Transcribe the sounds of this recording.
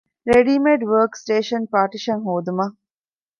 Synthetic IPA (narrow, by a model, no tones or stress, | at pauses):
ɾeɖiːmeɖʋəːksʈeːʃɐnpaːɾʈiʃɐŋɦoːd̪umɐ